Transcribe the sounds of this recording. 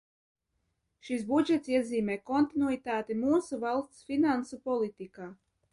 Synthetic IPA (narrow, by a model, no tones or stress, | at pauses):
ʃis̬bud͡ʒɛt̪siɛziːmɛjkɔnt̪inuit̪aːt̪imuːsuvalˠst̪sfinansupɔlˠit̪ikaː